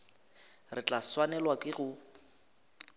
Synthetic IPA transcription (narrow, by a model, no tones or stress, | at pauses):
rɪt͡ɬʼaswanɛlwakʼɪɣʊ